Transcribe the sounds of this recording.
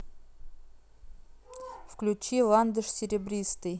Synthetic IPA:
fklʲʉt͡ɕilˠand̪əʂsʲɪɾʲɪbɾʲist̪ɨj

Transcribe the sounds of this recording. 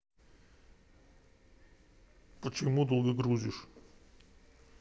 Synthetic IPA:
pət͡ɕɪmud̪olˠɡʲəɡɾuzʲɪʂ

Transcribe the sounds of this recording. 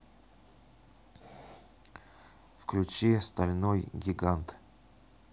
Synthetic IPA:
fklʲʉt͡ɕist̪ɐlʲnojɡʲɪɡant̪

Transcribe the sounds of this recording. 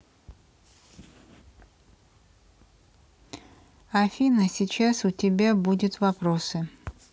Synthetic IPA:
afʲinəsʲit͡ɕasʊtʲɪbʲabudʲʊt̪vɐpɾosɨ

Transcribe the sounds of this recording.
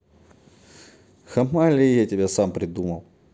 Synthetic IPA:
xɐmalʲijatʲɪbʲasampɾʲɪd̪umɐlˠ

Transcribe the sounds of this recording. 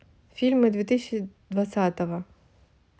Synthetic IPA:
fʲilʲmɨd̪vʲit̪ɪsʲt͡ʃid̪ʋɐt̪sʲat̪ɔʋɐ

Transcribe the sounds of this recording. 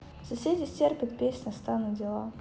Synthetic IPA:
fsɐsʲedʲɪsʲtʲerpʲɪt̪pʲesʲnʲɐst̪anɨdʲɪlˠa

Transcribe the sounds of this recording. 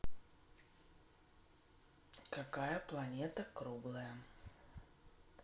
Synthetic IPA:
kakajəplˠɐnʲet̪əkɾublˠəjə

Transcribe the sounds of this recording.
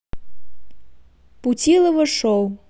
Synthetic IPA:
put͡sʲilˠɐvɨʂɔw

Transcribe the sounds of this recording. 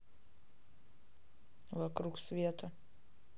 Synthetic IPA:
vakɾuksvʲiɛt̪a

